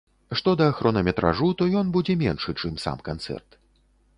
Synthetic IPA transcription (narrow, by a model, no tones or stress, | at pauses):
ʂt̪ɔd̪ɐːxɾʔɔnɐmʲɛt̪ɾʔa̰ʐut̪ɔjɔnbud͡zʲɛmʲɛnʂɨt͡ʂɨmsa̰mkant̪sɛ̰rt̪